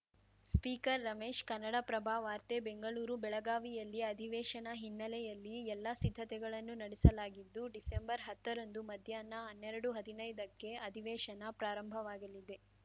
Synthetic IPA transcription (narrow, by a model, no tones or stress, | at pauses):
spiːkɐɾːɐmeːʃkɐnːɐɽɐpɾɐbʱaːʋaːɾt̪ebeŋɡɐɭuːɾubɛɭɐɡaːʋijɐlːiɐd̪ʱiʋɛːʃɐnɐɦinːɐlɛjɐlːiɛlːɐsid̪ʱːɐt̪ɛɡɐɭɐnːunɐɽɛsɐlaːɡid̪ːuɖisembɐɾɦɐt̪ːɐɾond̪umɐd̪ʱjaːnːɐɦɐnːɛɾɐɽuɦɐd̪inɐjd̪ɐkːe̞ɐd̪ʱiʋɛːʂɐnɐpɾaːɾɐmbʱɐʋaːɡɐlːid̪e̞